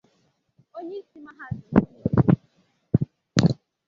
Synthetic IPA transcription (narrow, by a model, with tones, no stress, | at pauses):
o˦ɲe˦si˨ma˨ɦa˦si˨˦o˦˨